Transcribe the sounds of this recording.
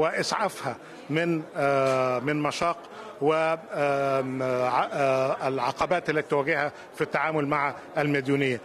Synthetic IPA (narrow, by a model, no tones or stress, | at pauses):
wɪʔɪsʕafhæ | mɪn | mɪnmɑʃɑːq | wɪ | ʕ | lʕɑqɑbæːt̪ʔɪlːæt̪i̥t̪ʊwæɡɪhhæ | fit̪ːaʕaːmʊlmaʕa | ælmed̪juːnɪjːæ